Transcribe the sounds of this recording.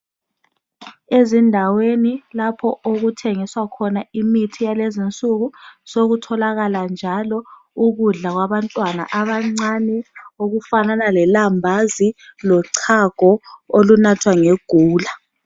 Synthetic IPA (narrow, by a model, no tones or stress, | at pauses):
ezindʱawenilapʰɔʔoɣutʰeŋiswakʰɔnaimitʰijalezint͡sʼuɣusoɣutʰɔlaɣaland͡ʒʱalɔ | uɣuɮaɣ̬waβantʼwana̰ʔaβaŋ͡ǀanɛoɣufananalɛlambʱazilɔǀʰaɡ̥ʱɔolunatʰwaŋeɡ̥ʱuːla